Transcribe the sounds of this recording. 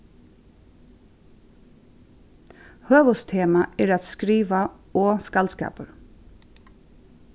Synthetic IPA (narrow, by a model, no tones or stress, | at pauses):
høːʋəst̪ʰeːmaɛɾat̪skɾiːʋaɔːskalskɑ̰ːpəɾ